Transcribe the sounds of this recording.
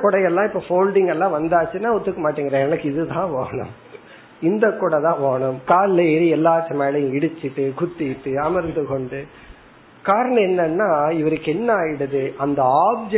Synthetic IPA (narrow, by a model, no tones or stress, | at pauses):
kːʊɽɐjɛlːãːɪpːoːfoːlɖɪŋɡɛlːãːʋɐnd̪aːt͡ʃːɯnːãːɔt̪ːɯkːɐmaːʈːiːŋɡɪɾɛ̃ɛnɐkːɪðɯt̪ãːʋoːɳʊ̰m | ɪnd̪ɐkːʊːɽɐt̪ãːʋoːɳɯmkaːlleːɾiɛlːaːʈːɐmeːlɐjʊ̃ɪɽɯt͡ʃːɯʈːɯkʊt̪ːɪʈːɯɐmɐɾnd̪ɯkɔɳɖɯ | kaːɾɐɳɐ̃ɛnːɐnːaːɪʋɐɾɯkːɛnːɐaːjɪɽɐðɯʔɐnd̪ɐaːb̚d͡ʒ